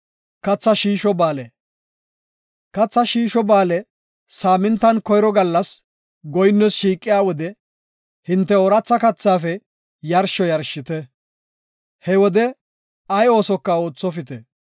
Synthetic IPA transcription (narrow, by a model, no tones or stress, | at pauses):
kɐt͡sːɐʃiːʃɔbaːlɛ | kɐt͡sːɐʃiːʃɔbaːlɛ | saːmɪnt̪ːɐnkɔjɾɔɡɐlːɐs | ɡɔjnːɔsʃiːkʼːɪjaːwɔd̪ɛ | hɪnt̪ːɛɔɾɐt͡sːɐkɐt͡sːaːfɛ | jɐɾʃɔjɐɾʃɪt̪ɛ | hɛwɔd̪ɛ | ɐjo̞ːsɔkːɐoːt͡sːɔfɪt̪ɛ